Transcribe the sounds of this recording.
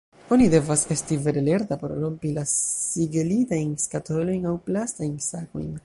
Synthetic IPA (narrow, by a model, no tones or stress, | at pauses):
o̞nide̞vase̞stive̞ɾele̞ɾtapo̞ɾɾo̞mpilasiɡelitajnskatolo̞jnawplastajnsako̞̰jn